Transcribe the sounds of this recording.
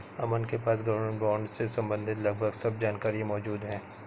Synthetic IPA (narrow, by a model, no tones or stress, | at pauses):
ɐmənkepaːsɡɐʋəɾmə̃ɳʈbɔːɳɖsesɐ̃mbə̃nd̪ʱɪt̪lɐɡ̚bʱəɡsɐbd͡ʒaːnkaːɾiẽmɔːd͡ʒuːd̪ɦɛ̃ː